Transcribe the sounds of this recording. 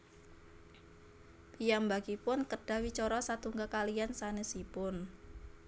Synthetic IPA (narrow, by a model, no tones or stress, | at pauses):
pijambaɡ̥ipʊnkəɖ̥a̤wit͡ʃɔɾɔsat̪uŋɡakaliansanesipʊn